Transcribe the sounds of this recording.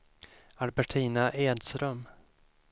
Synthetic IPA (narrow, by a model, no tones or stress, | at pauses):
albæʈʰiːnaʔeːd̪st̪ɾœm